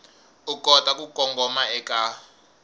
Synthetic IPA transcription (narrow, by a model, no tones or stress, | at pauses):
ukʼɔtʼakʼukʼɔŋɡʱɔmaɛkʼa